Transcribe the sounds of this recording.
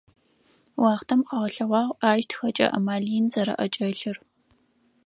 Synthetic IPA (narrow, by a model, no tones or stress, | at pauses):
wɑːχtʰɐmqɐʁɐɬɐʁʷɑːʁʷaːʒtʰxɐt͡ʃʼɐ̰ʔɐ̰maːɮijnzɐɾɐ̰ʔɐt͡ʃʼɐɬɨr